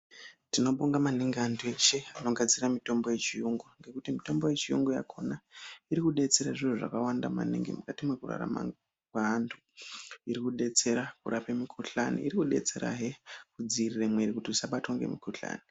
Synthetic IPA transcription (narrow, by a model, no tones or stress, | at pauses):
tino̞ɓo̞ŋɡamaneŋɡiantʰuet͡ʃe̞ano̞ɡad͡ziramito̞mbo̞je̞t͡ʃijuŋɡuŋɡe̞kutimito̞mbo̞je̞t͡ʃijuŋɡuja̰kʰo̞naiɾikuɗe̞t͡se̞ɾaʐiruʐa̰kawandama̰nḛŋɡḭmukatimwe̞kura̰ra̰ma̰ | kwaantʰu̥ | iɾikuɗe̞t͡se̞ɾakuɾapemikʰuɬanḭiɾikuɗe̞̰t͡se̞ɾa̰ɦekud͡ziriremweɾikutiusaɓatwaŋɡe̞̰mikuɬa̰ːni